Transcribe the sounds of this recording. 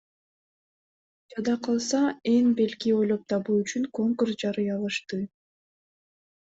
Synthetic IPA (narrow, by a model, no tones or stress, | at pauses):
d͡ʒɑd̪ɑqʰɑlˠsɑe̞ŋbe̞lkio̞jlˠo̞p̚t̪ʰɑβuːyt͡ʃyŋko̞ŋkursd͡ʒɑɾɯjɑlˠɯʃt̪ɯ